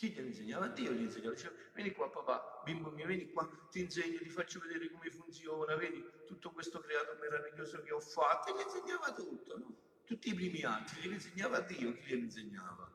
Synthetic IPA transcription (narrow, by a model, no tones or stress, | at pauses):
kiʎːeɾinseɲːaːvad̪ːiːoʎinseɲːavad̪it͡ʃɛvɛːnikwapːapa̰bimbomːiːavjɛːnikwa | t̪ːinseɲːot̪ifat͡ʃːoved̪eːɾɪkomefunt̪sjɔːnavɛːd̪it̪ut̪ːokwest̪okɾɛaːt̪omeɾaviʎːoːzokeɔfːat̪ːelːinseɲːaːvat̪ut̪ːonɔ | t̪ut̪ːiːpɾiːmiat̪ːiliɾinseɲːaːvad̪ːiːokiʎːiɾinseɲːaːva